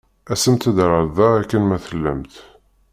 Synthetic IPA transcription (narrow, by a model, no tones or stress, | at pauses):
æsəmt̪æd̪ɾəɾðɑækːənmæθəlːəmt̪